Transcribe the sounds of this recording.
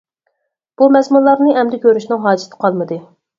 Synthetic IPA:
b̥umɛzmunlˠɑɾnɨʔɛmd̪ɛkʲʰøɾyʃnɪŋɦɑːd͡ʒɪ̥t̪ʰɨ̥qʰɑlˠmɨd̪ɨ

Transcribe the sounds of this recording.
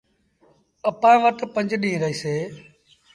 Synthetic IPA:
əpãːʋəʈpə̃ɲd͡ʒɗĩːɾəiːseː

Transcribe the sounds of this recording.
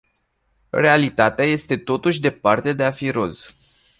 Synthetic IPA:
re̞alit̪at̪eaje̞st̪e̞t̪o̞t̪uʃʲd̪e̞part̪e̞d̪e̞afiɾo̞z̥

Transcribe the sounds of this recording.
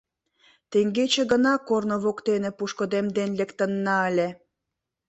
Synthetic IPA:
t̪eŋɡet͡ɕĕɣənɑkornoβokt̪enĕpuʃkod̪emd̪enlekt̪ə̆nːɑəlʲe

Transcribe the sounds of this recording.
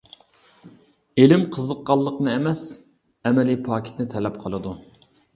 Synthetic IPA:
elɪmqʰəzəqːɑlˠːəqnɨɛmɛs | ɛmɛlipʰɑːkʰʲi̥t̪nɪt̪ʰɛlɛp̚qʰəlˠɨd̪u

